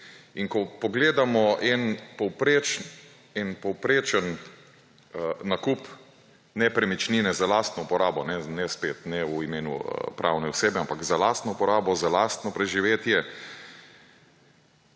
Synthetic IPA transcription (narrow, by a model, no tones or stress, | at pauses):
iŋkɔpɔɡleːd̪amɔʔɛnpɔwpɾet͡ʃ | ɛnpɔwpɾeːt͡ʃən | nakup | nɛpɾɛmit͡ʃniːnɛzalaːst̪nɔupɔɾaːbɔnɛnɛspeːt̪nɛuimeːnṵpɾʔa̰ːwnɛuseːbɛampakzalast̪nɔupɔɾaːbɔzalast̪nɔpɾɛʒiʋeːt̪jɛ